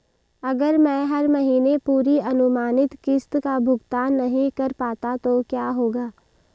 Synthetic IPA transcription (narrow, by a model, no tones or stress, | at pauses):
ɐɡəɾmɛ̃ːɦɐɾmɐɦiːnepuːɾiɐnʊmaːnɪt̪kɪst̪kabʱʊɡt̪aːnːɐɦĩkɐɾpaːt̪at̪okjaːɦoːɡaː